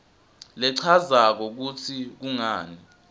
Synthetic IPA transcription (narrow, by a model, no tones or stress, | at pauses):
lɛǀʰazak̬ɔk̬utʰik̬uŋaːni